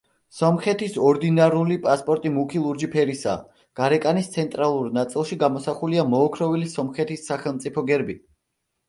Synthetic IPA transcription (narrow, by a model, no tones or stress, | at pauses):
sɔmχɛt̪ʰisɔɾd̪inaɾulipʼaspʼɔɾt̪ʼimukʰilˠuɾd͡ʒipʰɛɾisa̰ː | ɡ̥aɾɛkʼanist̪sʰɛnt̪ʼɾalˠuɾnat̪sʼilˠʃiɡamɔsaχuliamɔːkʰɾɔvilisɔmχɛt̪ʰisːaχɛlˠmt̪sʼipʰɔɡɛɾbi